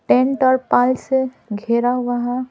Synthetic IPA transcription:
ʈẽɳʈɔːɾpalse | ɡʱeɾaʋaɦa

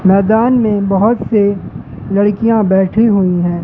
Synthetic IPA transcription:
mɛːd̪aːnmẽbɐɦʊt̪se | lɐɽkijãbɛːʈʰiɦuiɦɛ̃ː

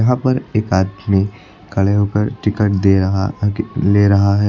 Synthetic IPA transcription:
ɐɦãpɐɾeːkaːd̪mẽ | kɐɭeɦokəɾʈɪkəʈ̚d̪eɦ | leːɾɐɦaɦɛ

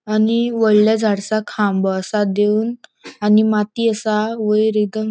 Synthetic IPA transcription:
aniʋəɭljad͡zʱaɽsakʰãmbəsad̪eunanimat̪iəsaʋəjɾid̪əŋ

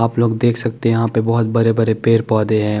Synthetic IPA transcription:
aːploːɡd̪eːkʰsɐk̚t̪eɛ̃jɐɦãpebɔɦʊt̪̚bɐɾebɐɾepeːɾpɔːd̪eɦɛ̃ː

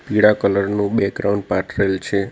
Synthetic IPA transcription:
piɽakələɾnũbɛkɾauɳɖpaʈɾelt͡ʃʰe

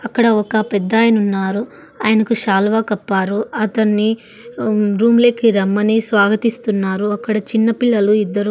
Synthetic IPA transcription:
ɐkːɐɽɐɔkɐpɛd̪ːaːjɐnunːaːɾu | aːjɐnɐkuʃaːlʋaːkɐpːaːɾuɐt̪ɐnːi | ɾuːmle̞ːkiɾɐmːɐniːsʋaːɡɐt̪ist̪unːaːɾuɐkːɐɽɐt͡ʃinːɐpiɭːɐluid̪ːɐɾu

